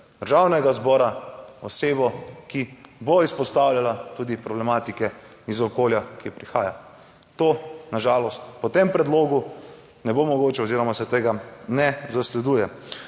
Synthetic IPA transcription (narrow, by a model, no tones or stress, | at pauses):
d̪̥əɾʒawnɛɡazbɔːɾaɔseːbɔkiboispɔst̪awljalat̪uːd̪ipɾɔblɛmaːt̪ikɛ | izɔkoːljakipɾixaːja̰ | t̪oːnaʒaːlɔst̪pɔt̪empɾɛd̪loːɡu | nɛbomɔɡoːt͡ʃɛoziɾɔmasɛt̪eːɡanɛzaslɛd̪uːjɛ